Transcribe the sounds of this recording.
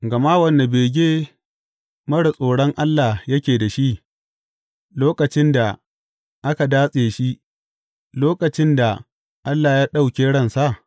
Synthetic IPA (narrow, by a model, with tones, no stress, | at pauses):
ɡɐ˨ma˦wɐ˦nːa˨beː˨ɡʲeː˦ | mɐ˦ɽɐ˨sʼoː˨ɽɔ˦ŋʔa˦lːa˨hjɐ˦kʲeː˨da˨ʃi˦ʔ | loː˦kɐ˨t͡ʃɪ˦nda˨ | ʔa˦ka˨daː˦sʼeː˨ʃi˦ʔ | loː˦kɐ˨t͡ʃɪ˦nda˨ | ʔa˦lːaː˨jaː˦ɗa˦wkʲeː˦ɽɐ˦˨nsa˦˨ʔ